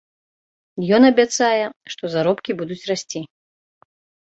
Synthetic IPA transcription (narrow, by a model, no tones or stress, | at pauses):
jɔnɐbʲat̪sajɛʂt̪ɔzaɾɔpkʲibud̪ut͡sʲrasʲt͡sʲi